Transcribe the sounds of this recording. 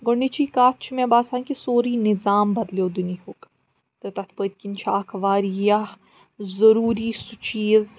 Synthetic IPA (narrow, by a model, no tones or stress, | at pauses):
ɡʊɳːit͡ʃʰikaːt̪̚t͡ʃʰmẽbaːsaːŋkisoːɾinɪzaːmbɐd̪ljoːd̪unihoːk | t̪ət̪ɐt̪ʰpəːt̪̚ʲkint͡ʃʰaːkʰʋaːɾja | zɐɾuːɾiːsʊt͡ʃiːz